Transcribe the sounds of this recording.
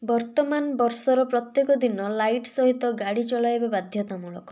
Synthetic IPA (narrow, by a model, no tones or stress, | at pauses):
bɔɾt̪ɔmanbɔɾsɔɾɔpɾɔt̪jekɔd̪inɔlajʈsɔɦit̪ɔɡaɽit͡ʃɔɭajbabad̪ʱjɔt̪amuɭɔ̰kɔ